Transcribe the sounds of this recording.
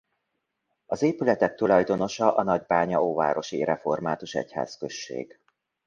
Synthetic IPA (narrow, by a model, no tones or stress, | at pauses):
ɒzeːpylɛt̪ɛk̚t̪ulɒjd̪ono̞ʃɒʔɒnɒɟbaːɲɒoːva̰ːɾo̞ʃḭɾɛfo̞rmaːt̪uʃɛ̰cha̰ːskø̞ʃːḛːɡ̥